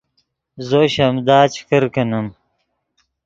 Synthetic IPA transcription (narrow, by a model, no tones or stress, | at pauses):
zoɕɐmd̪aːt͡ɕkəɾkɐnɐm